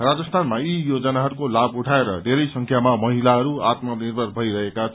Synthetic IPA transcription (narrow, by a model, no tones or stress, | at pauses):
rad͡zʌst̪ʰanmaijod͡zʌnaɦʌɾukolabuʈʰaeɾʌdʱeɾʌjsʌŋkʰjamamʌɦilaɦʌɾuat̪mʌnirbʱʌrbʱʌiɾʌɦekat͡sʰ